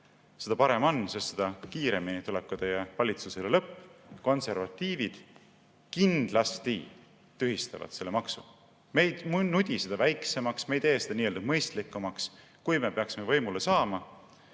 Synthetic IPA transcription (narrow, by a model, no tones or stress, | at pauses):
sed̪̥ɑpɑɾe̞mo̞nsest̪sed̪̥ɑkiːɾe̞minit̪ule̞kːˑud̪̥ejɑvɑlʲit̪suselelɤpːko̞nse̞ɾvɑt̪ːˑiːvid̪̥ | kind̪̥lɑst̪i | t̪ːyɦist̪evɑ̰t̪se̞lːe̞mɑksu | mejmnud̪̥ʲised̪̥ɑvæjkse̞mɑksmejt̪e̞ːsed̪ɑniːeld̪ɑmɤjst̪likːˑumɑks | kujme̞pe̞ɑksimevɤjmule̞sɑːmɑ